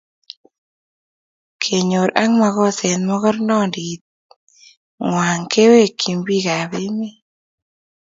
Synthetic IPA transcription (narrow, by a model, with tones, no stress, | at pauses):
kʰe˨ɲo˨ɾʔa˦ŋma˨ɣɔ˦sɛ˨nmɔ˦ɣɔ˦ɾnɔ˦˨ndi˨t̪̚ | ŋwa˨ŋkʰe˦we˦˨kʰːi˨mbi˦ɣa˨βe˦mi˦